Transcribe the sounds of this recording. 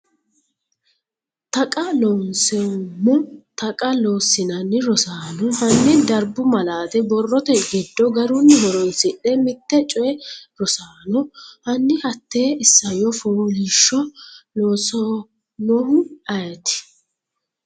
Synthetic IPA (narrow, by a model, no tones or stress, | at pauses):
t̪ɐkʼɐlɔnsɛʊmːɔt̪ɐkʼɐloːsːɪnɐnːɪɾɔsaːnɔhɐnːɪd̪ɐɾbʊmɐlaːt̪ɛbɔrːɔt̪ɛɡɪd̪ːɔɡɐɾʊnːɪɦɔɾɔnsɪʔɛmɪt̪ːɛt͡ʃʼɔjɛɾɔsaːnɔhɐnːɪhɐt̪ːeːɪsːɐjɔfoːliʃːɔloːsɔ | nɔhʊɐjɛt̪ɪ̥